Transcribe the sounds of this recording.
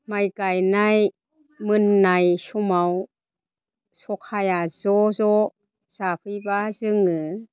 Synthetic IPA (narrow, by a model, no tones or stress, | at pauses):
majkajnaj | mɯnːajsumaw | sokʰajazɔzɔ | sapʰɯjbazɯŋɯ